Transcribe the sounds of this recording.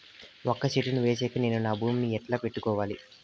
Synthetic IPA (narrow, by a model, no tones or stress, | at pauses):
okːɐʃiʈinuʋeːs̬ɛːkɐneːnunaːbʱuːmiɛʈlaːpeʈːukɔːʋaːli